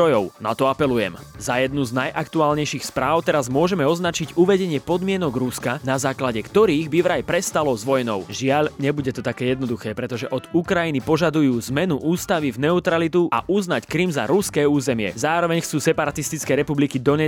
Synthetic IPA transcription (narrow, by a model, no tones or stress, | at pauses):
ɔjɔʊna̰t̪ɔapɛlujɛ̰m | zajɛd̪̚nuznajʔakt̪uaːlɲɛjʃixspɾaːʊt̪ɛɾazmʊɔʒɛmɛɔznat͡ʃiɟuʋɛɟɛɲɪɛpɔd̪mɪɛnɔɡɾuskanazaːklaɟɛkt̪ɔɾiːɣbiʋɾajpɾɛst̪alɔzʋɔjnɔʊʒɪaʎɲɛbuɟɛt̪ɔt̪akɛːjɛd̪nɔd̪uxɛːpɾɛt̪ɔʒɛʔɔd̪ukɾajinipɔʒad̪ujuːzmɛnuʔuːst̪aʋivnɛut̪ɾalit̪uʔa̰ʔuznackɾimza̰ɾuskɛːuːzɛmɪɛ̰zaːɾɔʋɛɲxt͡suːsɛpaɾat̪ist̪it͡skɛːɾɛpublikid̪ɔɲɛ